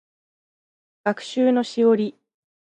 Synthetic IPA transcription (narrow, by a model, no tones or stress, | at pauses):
ɡ̥akɯ̟̥ɕɨːno̞ɕio̞ɾʲi